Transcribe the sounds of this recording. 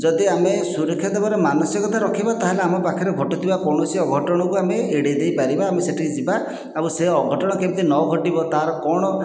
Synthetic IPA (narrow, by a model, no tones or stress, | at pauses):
d͡ʒɔd̪iamesuɾɔkʰːjad̪ebaɾemanɔsjɔkɔt̪ʰaɾɔkʰibat̪aɦeleamɔbakʰiɾeɡʱɔʈɔt̪ʰibakɔɽ̃ɔsiɔɡʱɔʈɔɽ̃ɔkuameeɽed̪ejpaɾibaːmeseʈʰikid͡ʒiba | abuseɔɡʱɔʈɔɽ̃ɔkebt̪inɔɡʱɔʈibɔt̪aɾɔkɔɽ̃ɔ